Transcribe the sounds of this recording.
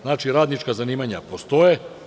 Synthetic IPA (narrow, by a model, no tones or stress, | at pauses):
znaːt͡ʃiɾaːd̪nit͡ʃkazaniːmaɲapo̞st̪o̞je